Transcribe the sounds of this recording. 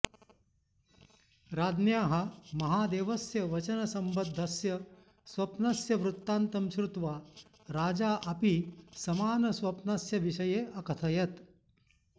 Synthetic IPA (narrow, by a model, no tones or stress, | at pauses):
ɾaːd̪njaːɦɐ̆mɐɦaːd̪eːʋɐsjɐʋɐt͡ʃɐnɐsɐmbɐd̪ʱːɐsjɐ | sʋɐpnasjɐʋɾut̪ːaːnt̪ɐmʃɾut̪ʋaː | ɾaːd͡ʒaːʔɐpisɐmaːnɐsʋɐpnasjɐʋiʃɐjeːʔɐkɐt̪ʰɐjɐt̪